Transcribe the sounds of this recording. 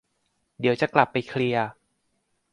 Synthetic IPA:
di˩˦wt͡ɕa˨˩kla˨˩pːa˧jkʰli˧ɐə

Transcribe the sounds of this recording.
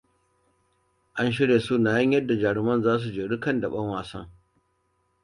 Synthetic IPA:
ʔa˦nʃ̬ɪ˦ɽeː˨su˦naː˨jɐ˦ɲjɐ˦dːa˨d͡ʒaː˨ɽɪ˨mɐ˦nzaː˦s̬u˨d͡ʒeː˨ɽɪ˦kɐ˦˨ndɐ˨ɓɐ˦ŋwaː˨sɐ̰˦ŋ

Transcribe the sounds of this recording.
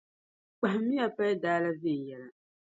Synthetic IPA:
k͡pa˨hmi˦a˨pa˦jdaː˦la˦zɪ˦˨jɛ˨la˨

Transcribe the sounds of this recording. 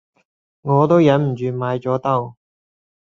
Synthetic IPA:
ŋɔː˨˧t̪o˥wjɐ˨˧˥nm̩˨˩t͡ʃyː˨˧maː˨˧jt͡ʃɔː˨˥t̪ɐ˥w

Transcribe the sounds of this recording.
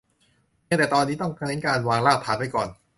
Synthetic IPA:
na˥˩ŋt̪ɛː˨˩t̪ɔː˧nːiː˦˥t̪ɔ˥˩ŋkʰa˧ni˦˥nkaː˧nwaː˧ŋlaː˥˩p̚t̪ʰaː˩˦npa˧˩jkɔː˨˩n

